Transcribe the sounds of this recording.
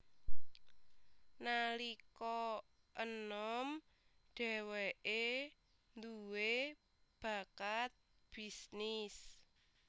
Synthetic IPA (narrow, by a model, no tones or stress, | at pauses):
nalikɔ | ʔənɔm | ɖ̪̥ɛ̤wɛʔe | nd̪uwe | b̥ä̤kat̪̚ | b̥isnis